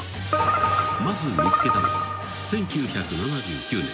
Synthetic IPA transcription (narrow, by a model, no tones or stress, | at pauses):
mazɨmʲit͡sɨ̥ke̞t̪ano̰ | sẽ̞ŋkʲɨːçakɯ̟nanad͡ʑɨːkʲɨːnẽ̞